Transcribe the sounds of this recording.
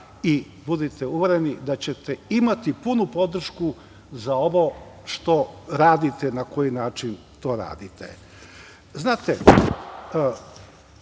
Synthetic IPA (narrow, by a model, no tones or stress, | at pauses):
i | bud̪it̪euʋeɾe̞nid̪at͡ɕe̞t̪eimat̪ipunupo̞d̪r̩ʃku | zaoʋo̞ʃt̪o̞ɾaːd̪it̪enako̞jinaːt͡ʃin | t̪o̞ːɾa̰ːd̪it̪ḛ | znaːt̪e